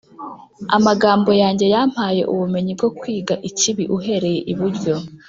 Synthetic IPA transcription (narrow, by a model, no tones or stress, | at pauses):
a̰maɡaːmbo̞jaːɲɟe̞jam̥haːje̞̰ʔuβume̞ɲib̚ɡo̞kwiːɡaʔiciβiʔuɦe̞ɾe̞jeʔiβuɾɟo̞